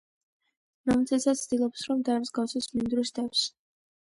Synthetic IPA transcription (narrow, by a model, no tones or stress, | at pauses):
ɾamt̪sʰɛsasʰd̪ilˠɔpsɾɔmd̪amsɡafsɔsmind̪ɾusd̪aps